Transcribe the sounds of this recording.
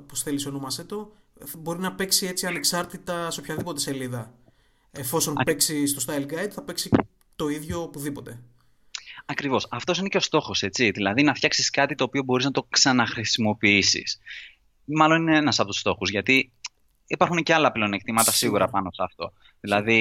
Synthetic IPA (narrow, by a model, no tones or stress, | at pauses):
posθelisonomɐset̪o̞ | bo̞ɾinɐpe̞ksiet͡siɐne̞ksɐɾt̪it̪ɐseopçɐðipo̞t̪ese̞liðɐ | efo̞so̞npeksist̪ost̪ɐjlɡɐjd̪θɐpe̞ksi | t̪o̞iðʝo̞puðipo̞t̪e̞ | ɐkɾivo̞sɐft̪o̞sine̞ce̞o̞st̪o̞xo̞se̞t͡siðilɐðinɐft̪çɐksiskɐt̪it̪o̞ːpio̞bo̞ɾiznɐt̪o̞ksɐnɐxɾisimo̞piisḭs | mɐlo̞nineenɐsɐpo̞t̪u̥st̪o̞xuzʝɐt̪i | ipɐɾxunceɐlɐpleone̞kt̪imɐt̪ɐsiɣuɾɐpɐno̞seɐft̪o̞ | ðilɐði